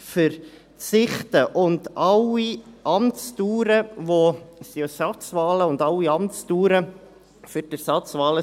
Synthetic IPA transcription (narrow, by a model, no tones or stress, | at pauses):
fəɾ | t͡sɪχtəʔʊndɑliʔɑmt͡stuːɾəvosiɛsɑt͡svɑːləʊndɑwːiɑmtt͡stuːɾə | fʏɾd̥əsɑt͡svɑːlə